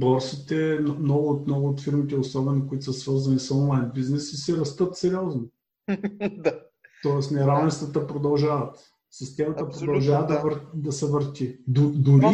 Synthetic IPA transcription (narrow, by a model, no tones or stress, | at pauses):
bɔɾsit̪ɛnmnɔɡʊːt̪mnɔɡʊːt̪fiɾmit̪ɛʊsɔbɛnokʊit̪ʊsəsvɤɾzɐnisɔnlˠajnbiznɛsisɛɾɐst̪ɤt̪sɛɾʲiɔzno | t̪ɔɛsnɛɾavɛ̃nst̪vət̪əpɾod̪ɐlˠʒavɐt̪ | sist̪ɛmɐt̪əpɾod̪ɐllˠʒavəd̪ɐvəɾd̪ɐsɛvəɾt̪ʲid̪ʊd̪ʊɾi